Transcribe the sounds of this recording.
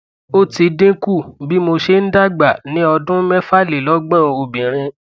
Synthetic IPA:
o˦ti˧dĩ˦ku˦˨bi˦mo˧ʃe˧˦n̩˦da˦ɡ͡ba˨nĩ˨˦ɔ˧dũ˦mɛ̃˦fa˦˨le˨lɔ˦ɡ͡bã˦˨o˧bĩ˨ɾ̃ĩ˧

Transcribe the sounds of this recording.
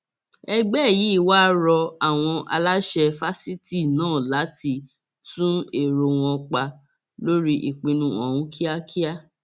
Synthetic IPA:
ɛ˧ɡ͡bɛ˦˨ji˨˦i˦˨wa˦ɾɔ˧a˨w̃ɔ̃˧ʔa̰˧la˦ʃɛ˧fa˦si˦ti˦˨nãː˦˨la˨˦ti˧ | tũ˦e˨ɾo˧w̃ɔ̃˧k͡pa˧ | lo˦ɾi˦ʔi˨k͡pĩ˧nũ˧ɔ̰̃˨ũ˦kʰi˦a˦kʰi˦a˦

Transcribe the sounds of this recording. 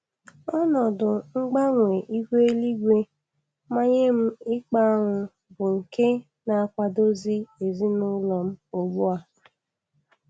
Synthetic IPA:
ɔ˦nɔ˨dʊ˨ŋ͡m̩˦ɡ͡ba˦ŋʷe˨ʔi˦hʷe˦e˦li˦ɡʷe˦ | ma˦ɲe˦m̩˦ɪ˦k͡pa˦a˦ŋʷʊ˨ | bʊ˨ŋ̩˨ke˦ | na˨a˨kʷa˨do˦zi˦e˨zi˦nʊ˦lɔ˨m̩˦o˨ɡ͡bu˦a˨

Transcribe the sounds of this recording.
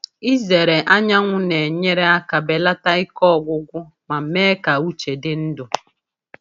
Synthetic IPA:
i˦ze˨ɾe˨ʔa˦ɲa˦ŋʷʊ˦ne˨ɲe˦ɾe˦a˦ka˨be˨la˦ta˦ɪ˦kɔ˦˨ɡʷʊ˦ɡʷʊ˦ | ma˨m̩˨˦me˦ka˨u˦t͡ʃe˨dɪ˦n̩˦dʊ˨

